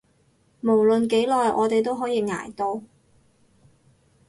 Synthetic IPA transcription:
mo˨˩wlɵ˨nke˨˥jlɔː˨˧jʔɔ̰ː˨˧t̪e˨jt̪o˥wɦɔː˨˥jiː˧ŋa̰ː˨˩jt̪o˧w

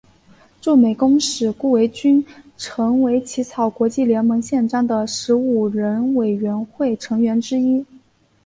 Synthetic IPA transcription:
ʈ͡ʂu˥˩me˨˩ɪkʊ˥ŋʂɻ̩˨˩ku˥˩we˧˥ɪt͡ɕy˥nʈ͡ʂʰɤ˧˥ŋwe˧˥ɪt͡ɕʰi˧˥t͡sʰɑ˨˩ʊkwɔ˧˥t͡ɕi˥˩ljɛ˧˥nmɤ˧˥ŋɕjɛ˥˧nʈ͡ʂɑ˥˩ŋd̪ə˨ʂɻ̩˧˥u˨˩ɻə˧˥nwe˨˩ɪɥɛ˧˥nxwe˥˩ɪʈ͡ʂʰɤ˧˥ŋɥɛ˧˥nʈ͡ʂɻ̩˥i˥

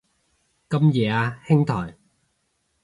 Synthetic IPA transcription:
kɐ˥mjɛː˨˧aː˧hɪ˥ŋt̪ʰɔː˨˩j

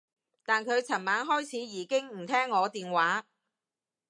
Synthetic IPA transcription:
t̪aː˨nkʰɵ˨˧ɥt͡sʰɐ˨˩nmaː˨˥nɦɔː˥jt͡sʰiː˨˥jiː˨˥kɪ˥ŋm̩˨˩t̪ʰɛː˥ŋːɔː˨˧t̪iː˨nwaː˨˥

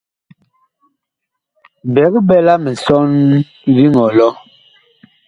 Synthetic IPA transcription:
bɛ˨˦kbɛ˦la˦mɛ˨sɔ˦n | ɾi˦ŋɔ˨lɔ˦

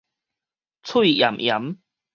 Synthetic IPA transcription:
t͡sʰu˥˧˨ja̰˨˩mʔja̰˨˦m

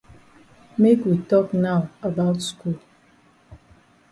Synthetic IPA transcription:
me˦kwi˨tɔ˦kna˦ʊə˨ba˦ʊtskul

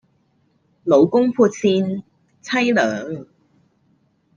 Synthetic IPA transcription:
lo˨˧wkʊ˥ŋpʰuː˧t̚siː˧n | t͡sʰɐ˥jlœː˨˥ŋ

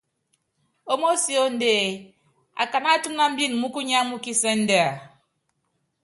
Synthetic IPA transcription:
o˦mo˦si˨˦o˦n̩˦de˦˨ | a̰˨ka˨na˦tu˦mna˦m̩˦bi˦n˨m̩˨mu˦ku˦ɲa˦mu˦ki˦se˦n̩˦de˦a˨

